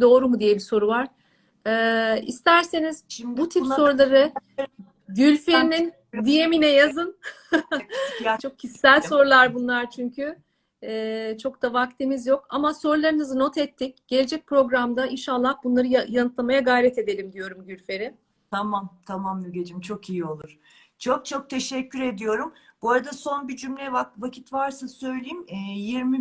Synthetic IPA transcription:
d̪o̞ːɾumud̪ijɛbiso̞ɾuvaɾ̥ | ɛːḭst̪ʰæɾse̞nizbut̪ʰipsso̞ɾulˠaɾɯ | ɟylʲfeɾinin | d̪ijeminɛjazɯn | t͡ʃʰokʰcʰisːælʲso̞ɾulˠaɾbunlˠaɾt͡ʃʰyɲcʰyː | t͡ʃʰo̞kt̪avakt̪ʰimizjo̞kamaso̞ɾulˠaɾɯnɯzɯno̞t̪ɛt̪ʰːic̚ɟ̥e̞lʲe̞d͡ʒɛc̚pɾo̞ɡɾamd̪ainʃalˠːahbunˠaɾɯajanɯt̪lˠamajaɡajɾɛt̪e̞d̪e̞lʲimd̪ijo̞ɾumɟylʲfe̞ɾɪ | t̪ʰamamt̪ʰamamdiɟed͡ʒimt͡ʃʰo̞kijio̞lˠuɾ̥ | t͡ʃʰo̞k̚t͡ʃʰo̞k̚t̪ʰe̞ʃɛcʰːyɾe̞d̪ijo̞ɾumbuɾad̪aso̞nbid͡ʒymlʲɛvakvacʰi̥t̪vaɾsasø̞jlʲejimːjiɾmi

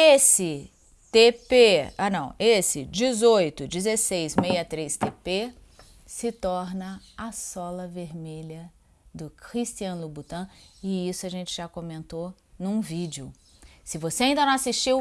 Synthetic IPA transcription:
esɪ | t̪epeanɐ̃w̃esɪd͡ʒizojt̪ʊd͡ʒɪzesejzmejɐt̪ɾest̪epe | sɪt̪ɔɾnɐɐsɔlɐveɾmeʎɐ | d̪ʊkɾist͡ʃiɐ̃lubut̪ɐ̃ɪisʊaʒẽnt͡ʃɪʒakõmẽnt̪o | nũvid͡ʒɪʊ | sɪvoseaĩd̪ɐnɐ̃w̃asiʃt͡ʃiw

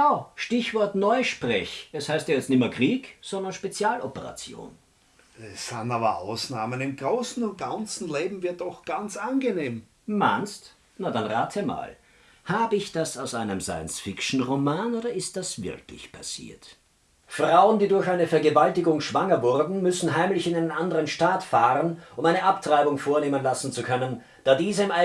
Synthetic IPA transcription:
ʔaːʃtɪçv̥ɔɐtnɔʏʃpʁ̥ɛ̰çʔɛshaɪstjaːjɛt͡stnɪmɐkʁ̥iːkz̥ɔndɐnʃpet͡sjaːlʔɔpəʁa̰t͡sjo̰ːn | ɛsanaːbɐ̰a̰ʊsnaːmənɪmɡ̥ʁoːsn̩ʊnt̚ɡ̥ant͡sn̩leːbm̩vɪɐt̚dɔxɡ̥ant͡sanɡeneːm | manst | nadanʁaːtʰəma̰ːl | haːbəɪçd̥asaʊsʔaɪnəmsa̰ɪə̰nsfɪkʃn̩ʁomaːnoːdɐɪst̚d̥asv̥ɪ̰ʁklɪ̰çpʰasḭːɐt | fʁ̥aʊəndiːdʊɐçaɪnəfɛɐɡəvaltɪɡʊŋʃv̥aŋɐvʊʁdn̩mʏsn̩ɦaɪmlɪçɪnaɪnənandəʁənʃtaːtfaːʁənʔʊmaɪnəʔaptʁ̥aɪbʊŋfoːɐneːmənlasn̩t͡sukʰœnən | d̥aːdiːzəɪmʔa

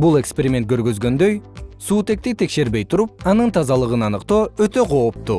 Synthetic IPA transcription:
bulˠe̞kspe̞ɾʲimʲet̪kʰøɾɡø̞zɡø̞nd̪ø̞jsuːt̪e̞k̚t̪it̪ʰe̞kʃe̞ɾbe̞jt̪ʰuɾup̚ɑnɯnt̪ʰɑzɑlˠɯʁɯnɑnɯqt̪o̞ːøt̪ø̞qʰo̞ːp̚t̪u

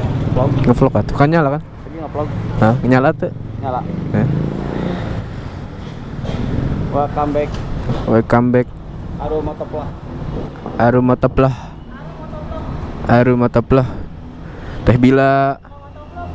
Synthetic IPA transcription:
plaŋəflɔkat̪ukaɲalakan | sɡiŋaplaɡəŋəɲalat̪uɲalaə | wakambɛk̚wakambɛk̚ | aɾumat̪əplah | aɾumat̪əplah | aɾumat̪əplah | t̪ɛhbila

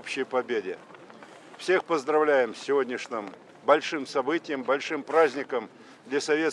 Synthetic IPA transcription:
pɕɪjpɐbʲedʲɪ | fsʲe̞xpəzd̪ɾɐvlʲæjɪmsʲɪvodʲnʲɪʂnʲɨm | bɐlʲʂɨmsɐbɨtʲɪjəmbɐlʲʂɨmpɾazʲnʲɪkəm | d̪lʲasɐvʲe̞

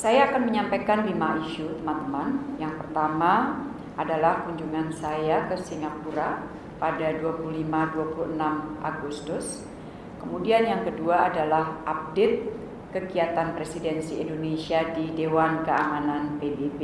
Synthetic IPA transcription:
sajaːkanməɲampajkanlimaiʃut̪əmant̪əmanjaŋpərt̪ama | ʔadalahkuɲd͡ʒuŋansajakəsiŋapuɾa | padaduapuluhlimaduapuluənamʔaɡust̪ʊs | kəmudianjaŋkəduaadalahʔap̚det̪̚ | kəɡiat̪anpɾesidɛnsiindonesiadidewankəamananpebebe

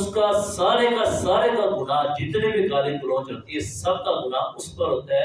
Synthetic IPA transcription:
skasaːɾeːkasaːɾeːkaɡʊnaːd͡ʒɪt̪nẽːbik̪aːlĩkʊɾõːt͡ʃəːt̪iesɐbkaːɡʊnaʊspəɾɦoːt̪aɦɛ

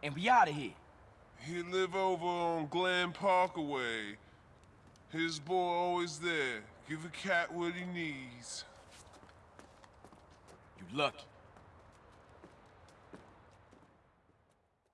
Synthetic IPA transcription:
ɨ̃nwiɑɾɨɦḭ | hilɪvoʊvə˞ə̃nɡlæ̃npʰɑɹkəweɪ | hɪzbɔɹɔlˠwizðə˞ɡ̥ɪvɨkʰæʔ̚wə˞inidz̥ | jɨlʌk

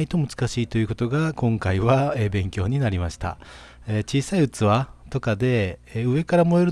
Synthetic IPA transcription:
it̪o̞mɯ̟t͡sɨ̥kaɕiːt̪o̞jɯ̟ko̞t̪o̞ɡakõ̞ŋkaiβaebẽ̞ŋkʲo̞ːɲ̟inaɾʲimaɕi̥t̪a̰ | et͡ɕiːsaiɯt͡sɨβat̪o̞kad̪e̞ɯ̟e̞kaɾamo̞eɾɯ

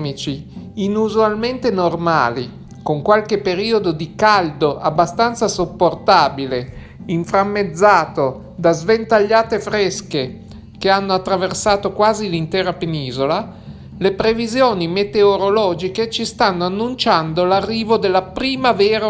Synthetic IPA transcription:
mit͡ʃiinuzualment̪enorma̰ːlḭ | koŋkwalkepeɾiːod̪od̪ikald̪oʔabːast̪ant̪sasopːort̪aːbile | iɱfɾamːed̪zːaːt̪o | d̪azvent̪aʎːaːt̪efɾeske | keanːoat̪ːɾaversaːt̪okwaːzilint̪ɛːɾapeniːzola | lepɾevizjoːnimet̪eoɾolɔːd͡ʒiket͡ʃist̪anːoanːunt͡ʃand̪olarːiːvod̪elːapɾiːmaveːɾ

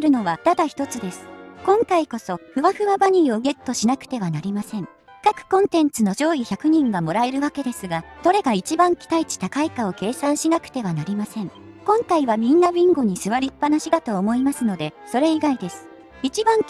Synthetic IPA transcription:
ɾɯ̟no̞βat̪ad̪açi̥t̪o̞t͡sɨd̪e̞sɨ̥kõ̞ŋkaiko̞so̞ɸɯ̟βaɸɯ̟βabaɲ̟iːo̞ɯ̟ɡe̞t̪ːo̞ɕinakɯ̟̥t̪e̞β̞anaɾʲimasẽ̞ŋ | kakɯ̟̥kõ̞nt̪ẽ̞nt͡sɨno̞ʑo̞ːiçakɯ̟ɲ̟ĩŋɡamo̞ɾae̞ɾɯ̟βake̞d̪e̞sɨɡaso̞ɾe̞ɡait͡ɕibãŋkʲi̥t̪ait͡ɕi̥t̪akaikao̞ke̞ːsãɰ̃ɕinakɯ̟̥t̪e̞β̞anaɾʲimasẽ̞ŋ | kõ̞ŋkaiβamʲĩnːabʲĩŋɡo̞ɲ̟isɨβaɾʲipːanaɕid̪at̪o̞ːmo̞imasɨno̞d̪e̞so̞ɾe̞iɡaid̪e̞sɨ̥ | it͡ɕibãŋ

